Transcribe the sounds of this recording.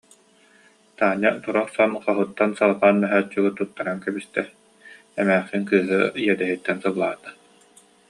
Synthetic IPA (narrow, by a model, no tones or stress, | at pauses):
t̪aːɲːat̪uɾɔχsɔnqaɦut̪ːansalˠpaːnmɛɦœːt͡ʃːyɡɯt̪ut̪ːaɾaŋkɛbist̪ɛ | ɛmɛːχiŋkɯːɦɯijɛd̪ɛɦit̪ːɛnsɯblˠaːt̪ḁ